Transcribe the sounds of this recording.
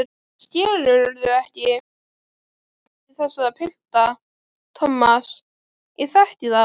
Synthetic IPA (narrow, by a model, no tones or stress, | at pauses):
sc̪ɛːlʏɾɾðʏɛhcɪ | cɪθɛsːaðapʰɪl̥t̪a | t̪ʰɔmːas | iθaht̪ɪða